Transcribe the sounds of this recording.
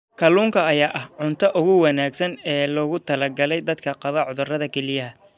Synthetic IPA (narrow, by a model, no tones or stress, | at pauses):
kʰɐluːŋkʰɐːjaːʔɐhʕʊnt̪ʰɐʔʊɣʊwɐnaːɡsɐnɛːlɔːɣʊt̪ʰɐlɐɡɐlɛjd̪ɐd̪kʰɐqɑðɐʕʊðʊrɐðɐkʰɛlɪjɐɦɐ